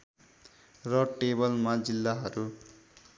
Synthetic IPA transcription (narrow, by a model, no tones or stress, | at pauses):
rʌʈebʌlmad͡zilːaɦʌɾu